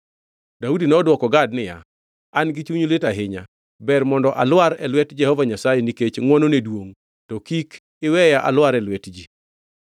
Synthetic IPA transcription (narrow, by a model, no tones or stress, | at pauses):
daudinɛɔdwɔkɔɡadnɪja̰ | anɡɪt͡ʃuɲoletaɦɪɲa̰ | bɛrmɔndɔʔalwaɾɛlwɛtd͡ʒɛhɔvaɲasajeniket͡ʃŋwɔnonedwoŋ | tɔkik | ɪwɛjaʔa̰lwaɾɛlwɛtd͡ʒi